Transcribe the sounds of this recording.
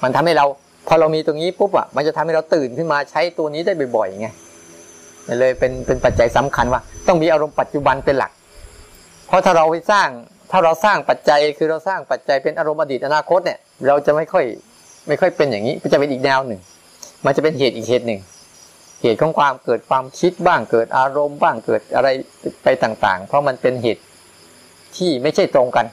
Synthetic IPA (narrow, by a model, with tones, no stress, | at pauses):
ma˧nt̪ʰa˧mha˥˩jɾa˧w | pʰɔː˧ɾa˧wmiː˧t̪ːŋiː˦˥pu˦˥p̚ʔa̰˨˩ma˧nt͡ɕa˨˩t̪ʰmha˥˩ɾa˧wt̪ɯː˨˩nkʰɯ˥˩maː˧t͡ɕʰa˦˥jt̪u˧ɐniː˦˥da˥˩jbɔ˨˩jbɔ˨˩ja˨˩ŋa˧j | ma˧˩lɤː˧jpe˧npe˧npa˨˩t̪̚t͡ɕa˧jsa˩˦mkʰa˧nwaː˥˩t̪ɔ˥˩ŋmiː˧ʔaː˧ɾo˧mpa˨˩t̪̚t͡ɕu˨˩ba˧npe˧nla̰˨˩k̚ | pʰɔ˦˥t̪ʰaː˥˩ɾa˧wha˥˩jsaː˥˩ŋ | t̪ʰaː˥˩ɾa˧wsaː˥˩ŋpa˨˩t̪̚t͡ɕa˧jkʰɯː˧ɾa˧wsaː˥˩ŋpa˨˩t̪̚t͡ɕa˧jpe˧nʔaː˧ɾo˧mʔaː˧diː˨˩ʔa˧naː˧kʰo˦˥t̪̚ni˧˩ə | ɾa˧wt͡ɕa˨˩ma˥˩jkʰɔ˥˩j | ma˥˩jkʰɔ˥˩jpe˧njaː˨˩ŋiː˦˥˩t͡ɕa˨˩pe˧nʔ̚ːnɛː˧wnɯ˨˩ŋ | ma˧nt͡ɕa˨˩pe˧nɦeː˨˩t̪̚ʔiː˨˩k̚heː˨˩t̪̚nɯ˨˩ŋ | heː˨˩t̪̚kʰɔː˨˦ŋkʰwaː˧mkɤː˨˩t̪̚kʰwaː˧mkʰi˦˥t̪̚baː˥˩ŋkɤː˨˩t̪̚ʔaː˧ɾo˧mbaː˥˩ŋkɤː˨˩t̪̚ʔa̰˧ɾa˧j | pa˧jt̪aː˨˩ŋt̪a̰ː˨˩ŋpʰɾɔ˦˥ma˧npe˧nɦḛː˨˩t̪̚ | t̪ʰːiː˥˩ma˥˩jt͡ɕʰa˥˩jt̪ɾo˧ŋka˧n